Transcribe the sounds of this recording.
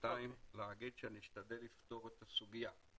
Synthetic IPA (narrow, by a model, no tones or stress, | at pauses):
t̪aimleaɡid̪ʃeaniʃt̪ad̪elːift̪o̞ʁet̪asuɡija